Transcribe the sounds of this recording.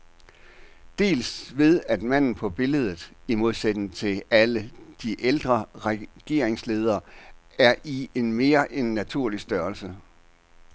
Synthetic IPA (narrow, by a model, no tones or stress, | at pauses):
d̥e̝̰ːlsʋe̝ð̞ˠæd̥mæn̰n̩pʰɒ̽b̥e̝ləð̞ˠð̩ˠimo̝ðˠsed̥n̩t͡sʰe̝læləd̥iʔeld̥ʁɐʁɛɡ̥e̝ɐ̰eŋsle̝ːð̞ˠɐː | æɐʔie̝nme̝ːɐʔenːæt͡sʰuɐ̰lisd̥ɶːɐlsə